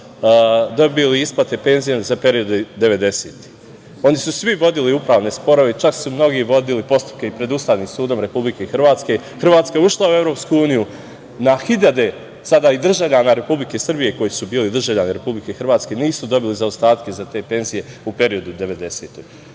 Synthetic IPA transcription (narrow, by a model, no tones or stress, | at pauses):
d̪o̞biliisplat̪e̞pe̞nzijezape̞ɾio̞d̪ed̪e̞ʋe̞d̪e̞seːt̪i̥ | o̞nisusʋiʋo̞d̪iliupɾaːʋne̞spo̞ɾo̞ʋeit͡ʃaksumno̞ɡiʋo̞d̪ilipo̞st̪u̥p̚keipɾe̞d̪ust̪aːʋniːmsuːd̪o̞mɾe̞publike̞xr̩ʋaːt̪ske̞ | xr̩ʋaːt̪skaeuʃlˠaue̞vɾo̞ːpskuuːniju | naxiʎad̪e̞ | sad̪aid̪r̩ʒaʋʎanaɾe̞publike̞sr̩bije̞ko̞jisubiːlid̪r̩ʒaʋʎʲaniɾe̞publikexr̩ʋaːt̪ske̞niːsud̪o̞bilizaost̪aːt̪ke̞zat̪e̞ːpe̞nzije̞upe̞ɾio̞d̪ud̪e̞ʋe̞d̪e̞se̞ːt̪oɡ